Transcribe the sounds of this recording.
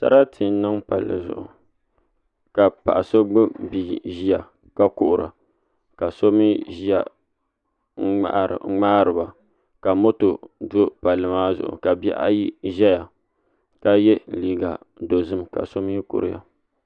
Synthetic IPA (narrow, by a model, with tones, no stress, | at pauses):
sa̰˦ɾa˦tʰɨ˨˦nɨ˦ŋpa˨lːɨ̰˨zʊ̰˨ʔʊ̰˨ | ka˨pa̰˨ʔa˨so˦ɡ͡bɨ˦biː˨ʒi˦a˨ | ka˦kʊ˦ʔʊ˨ɾa̰˨ | ka˨so˦mi˦ʒi˦a˨˦˨ | ŋ͡maː˦ɾɨ˨ba˨ | ka˨mo˦to˨do˦pa˨lɨ˨maː˦zʊ̰˨ʔʊ̰˨ka˨bɛ̰˦ʔa̰˦ji˦ʒɛ˦ja˨ | ka˦jɛ˦liː˨ɡa̰˨ | do˨zɨ˦mka̰˨so˦m˦i˦ko̰˨ɾɪ˦ja̰˨